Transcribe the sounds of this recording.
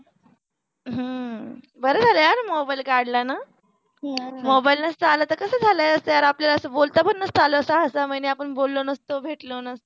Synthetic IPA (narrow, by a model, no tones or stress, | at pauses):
ɦə | bəɾəd͡zʱaləjaɾmobailkaɾɽlana | mobailnəst̪əalət̪əkəsəːd͡zʱalajəst̪əjaɾapljalaəsəbolt̪apənnəst̪əaləəsaəsaməjneapəɳbolːonəst̪obʱeʈlonəst̪o